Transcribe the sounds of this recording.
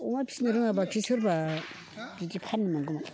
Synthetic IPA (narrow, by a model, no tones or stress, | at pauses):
umapʰi̥snɯɾɯŋabakʰisuɾba | d͡ʒitipʰaɾnimaŋɡuma